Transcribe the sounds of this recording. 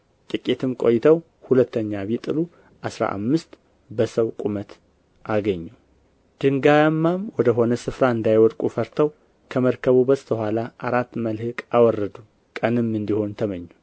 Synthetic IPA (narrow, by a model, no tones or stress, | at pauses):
t̪ʼɨkʼet̪ʰɨmkʼo̞̰jːɪt̪ʰəw | hulət̪ːəɲːaβit̪ʼɨlu | ʔasɾa̰ʔa̰mːɨst̪ | bəsəwkʼumət̪ | ʔaɡəɲːu | d̪̥ɨŋɡajamːamwɔd̪əɦo̞nəsɨfɾaɨnd̪ajwɔɾkʼufəɾt̪ʰəw | kʰəməɾkʰəβubəsʼt̪ʰʼəhʷalaʔaɾat̪ːməlhɨkʼawɔrːəd̪u | kʼənɨmːɨnd̪iho̞nt̪ʰəməɲːu